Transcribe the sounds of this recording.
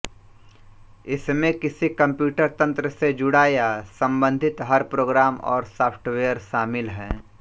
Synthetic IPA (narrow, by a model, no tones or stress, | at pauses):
ɪsmẽkɪsikɐ̃mpjuːʈəɾt̪ɐ̃nt̪ɾəsed͡ʒʊɽaːjasɐ̃mbə̃nd̪ʱɪt̪ɦɐɾpɾoːɡɾaːmɔ̰ːɾsaːpʰʈʋeːjəɾʃaːmɪlɦɛ̰̃ː